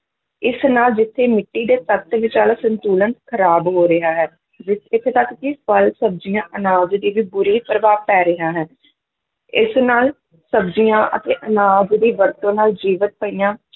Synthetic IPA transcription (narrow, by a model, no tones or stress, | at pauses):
ɪsnaːld͡ʒɪt̪ʰːeːmɪʈːiːd̪eːt̪ət̪ʋɪt͡ʃaːlaːsənt̪uːlənt̪kʰəɾaːbɦoːɾəɦaːɦɛː | d͡ʒɪt̪ɪt̪ʰːeːt̪əkkipəlsəbd͡ʒijãːʔənaːd͡ʒd̪iːʋiːbʊɾiːpɾəʋaːpɛːɾɪɦaːɦɛː | ɪsnaːl | səbd͡ʒijãːʔə̰t̪eːʔənaːd͡ʒd̪iːʋəɾt̪õːnaːld͡ʒiːʋət̪̚pəiːjãː